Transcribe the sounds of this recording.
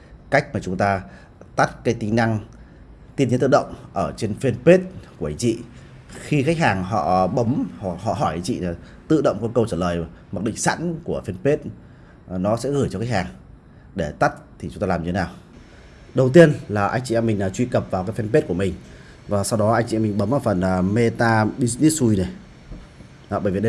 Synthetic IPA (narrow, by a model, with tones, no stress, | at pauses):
ka˦˥jk̚maː˨˩t͡ɕʊ˨˦ŋ͡mt̪aː˧ | t̪a˦˥t̚kaː˨˦jt̪ï˧˦ŋ̟na˧ŋ | t̪i˧nɲi˨˦t̪ɨ̰˧˨ɗə̰˧˨wŋ͡mʔəː˧˩t͡ɕe˧nfe˧npe˦˥t̚ku˧˩əʔa˨˧˩jt͡ɕḭ˧˨ | xi˧xa˦˥k̟̚haː˨˩ŋɦɔ̰˧˨ɓə˨˦mhɦɔ̰˧˨ɦɔ˧˩jt͡ɕḭ˧˨˩ | t̪ɨ̰˧˨ɗə̰˧˨wŋ͡mkɔ˧nkə˧wt͡ɕəː˧˩ləː˨˩jm˨˩t̚ɗḭ˧˨ŋ̟sa̰˧˥nku˧˩əfe˧npe˦˥t̚ | nɔ˨˦sɛ̰˧˥ɣɨ˧˩t͡ɕɔ˧xa˦˥k̚haː˨˩ŋ | ɗe˧˩t̪a˦˥t̚t̪ʰi˨˩t͡ɕʊ˦ŋ͡mt̪aː˧lːmɲ˧t̪ʰe˦naː˨˩w | ɗə˨˩wt̪i˧ənlaː˨˩ʔa˧jŋ̟t͡ɕḭ˧˨˧mï˨˩ŋ̟a˨˩t͡ɕwi˧kə˨˩p̚vaː˨˩wkaː˨˦jfɛ˧npe˦˥t̚ku˧˩əmï˨˩ŋ̟ | vaː˨˩sa˧wɗɔ˨˦ʔa˧jŋ̟t͡ɕḭ˧mi˨˩ŋ̟ɓə˨˦mʔəː˧˩fə˨˩nə˨˩me˧t̪aː˧ɓi˧sni˦˥su˧jne˨˩˧ | ɓəː˧˩jvi˨˩ɗ